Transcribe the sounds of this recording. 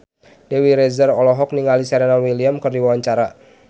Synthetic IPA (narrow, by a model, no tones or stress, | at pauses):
dewiɾɛzərɔlɔɦɔk̚niŋalisɛɾɛnalwiliamkɨrdiwawaɲt͡ʃaɾa